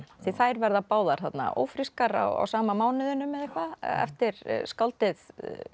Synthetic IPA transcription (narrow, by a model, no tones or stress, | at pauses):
θiθaːjɾvɛɾðapaːwðaɾ̥θat̪na̰ʔo̰ːwfɾiskaɾa̰wa̰wsaːmamaːwnɪðʏnːʏmːɛðehkvaɛ̰ft̪ɪɾskalt̪ɪð